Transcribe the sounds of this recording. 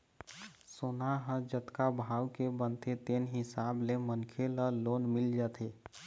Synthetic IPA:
sonaɦə̃d͡ʒət̪kabʱawkebənt̪ʰet̪enɦɪsablemənkʰeləlonmild͡ʒat̪ʰe

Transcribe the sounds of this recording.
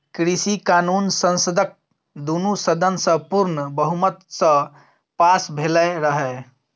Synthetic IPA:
kɾisikanunsə̃nsəd̪ək̚ | d̪unusəd̪ənsə̃puɾnbəɦumət̪sə̃ | pasbʱelɛɾəɦɛ

